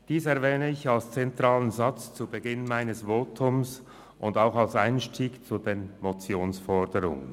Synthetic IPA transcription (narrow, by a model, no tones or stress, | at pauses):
d̥iːsɛʁvɛːnəɪçalst͡sɛntʁaːlənzat͡st͡subəɡɪnmaɪnəsvoːtʰʊms | ʔʊndaʊxalsaɪnʃtʰiːkt͡sud̥eːnmot͡sjoːnsfɔʁdəʁʊ̰ŋə̰n